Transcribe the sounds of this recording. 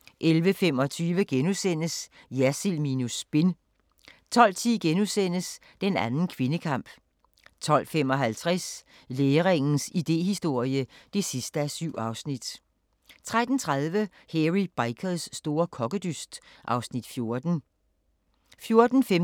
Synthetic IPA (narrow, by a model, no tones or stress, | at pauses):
ʔelʋəfemɒ̽t͡sʰyːʋəɡ̥enusen̰əs | jæsilminusb̥e̝n | t͡sʰɒ̽l̰t͡sʰiɡ̥enusen̰əs | d̥enænn̩kʰʋe̝nəkʰɑ̈m̰b̥ | t͡sʰɒ̽l̰fem̰ɒ̽ɦælt͡sʰʁas | leːʁeŋn̩sid̥e̝̰ːɦisd̥o̝ɐ̰jəd̥e̝sisd̥əæsyʊ̰ʔɑ̈ʊsnid̥ | t͡sʰʁad̥n̩t͡sʰʁað̞ˠʋə | heʁib̥ɑ̈ɪkʰəð̩ˠsːd̥o̝ːɐkʰɒ̽ɡ̥əd̥ysd̥ʔɑ̈ʊsnid̥fjo̝ɐd̥n̩ | fjo̝ɐd̥n̩fe